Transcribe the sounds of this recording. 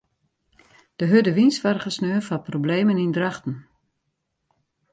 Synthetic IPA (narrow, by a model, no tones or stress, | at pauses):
d̥əɦødəʋinsʋarχəsnøːfɔprobleːmənindraχtn̩